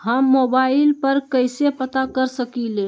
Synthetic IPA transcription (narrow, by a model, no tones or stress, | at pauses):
ɦəmːobailpəɾkəjsepət̪akəɾsəkile